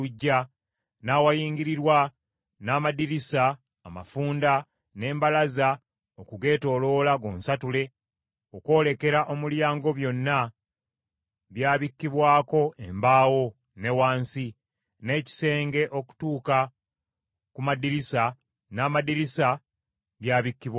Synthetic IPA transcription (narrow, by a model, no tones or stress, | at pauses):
uɟːa | naːwajiːŋɟiɾiɾwa | naːmadiɾisaː | ma̰fuːnda | ne̞ːmbalaza | okuɡe̞ːto̞ːlo̞ːlaɡoːnsatule̞ | o̞ko̞ːle̞ke̞ɾaʔo̞muljaːŋɡo̞βjo̞nːa | βjaːβikːiβwaːko̞embaːwo̞ | ne̞waːnsi | ne̞ːci̥se̞ːŋɡe̞ʔo̞ku̥tuːka | kumadiɾisa | naːmadiɾisa | βjaːβikːiβwa